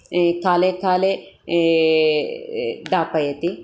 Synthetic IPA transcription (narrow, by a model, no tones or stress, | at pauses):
kaːlekaːle | d̪aːpɐjɐt̪i